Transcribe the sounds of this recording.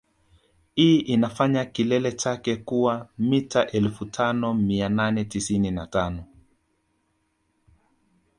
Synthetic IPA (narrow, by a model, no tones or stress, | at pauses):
hiːʔinafaɲakilɛlɛt͡ʃakɛkuwamitaʔɛlfutʰanɔmiananɛtisininatanɔ